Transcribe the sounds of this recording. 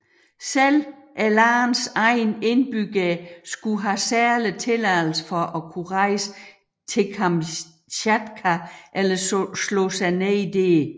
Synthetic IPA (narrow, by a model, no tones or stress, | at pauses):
selʔælɑːnsɑ̈ɪne̝nb̥yɡ̥æsɡ̥uɦæsæɐlit͡sʰe̝læðl̩səfɒʔɒ̽kʰuʁɑ̈ɪsə̥ | t͡sʰe̝kʰɑm | ɕæd̥kʰæʔelɐslɔsɑɪneid̥e̝